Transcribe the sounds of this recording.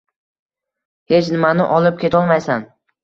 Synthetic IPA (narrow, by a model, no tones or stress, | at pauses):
he̞t͡ʃnɪmanɪ̰ʔɒlɪp̚kʲe̞t̪ʰɒlˠmajsan